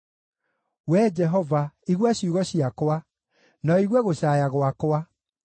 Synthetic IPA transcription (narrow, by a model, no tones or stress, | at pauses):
wɛd͡ʒɛɦɔvaiɣwaɕiuɣɔɕiakowa | nɔiɣwɛɣoɕaːjaɣwakwa